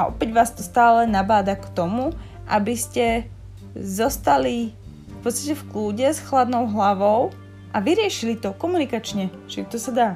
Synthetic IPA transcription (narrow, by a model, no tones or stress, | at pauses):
aʔɔ̰pɛɟʋaːst̪ɔst̪aːlɛnabaːd̪akt̪ɔmu | ʔa̰biscɛ | zɔst̪ali | fpɔt̪st̪acɛfkluːɟɛsxlad̪nɔʊɦlaʋɔʊ | ʔaʋiɾɪɛʃilit̪ɔkɔmunikat͡ʃɲɛ | t͡ʃit̪ɔsad̪aː